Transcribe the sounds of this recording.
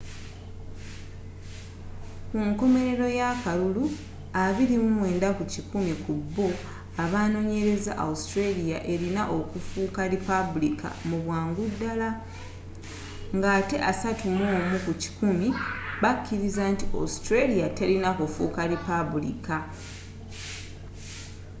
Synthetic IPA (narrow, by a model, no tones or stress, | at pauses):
kuŋko̞me̞ɾe̞ɾo̞jakalulu | aβiɾimumwe̞ːndakucikumikubːo̞ | aβaːno̞ːɲe̞ɾe̞za̰ʔa̰ustɾelijaʔe̞ɾinaʔo̞kufuːkaɾipabulika̰muβwaːŋɡudːala | ŋɡaːte̞ʔasatumoːmukuci̥kumiβakʰːiɾizantiʔa̰ustɾelijatelinakofṵːkaɾipaβulḭka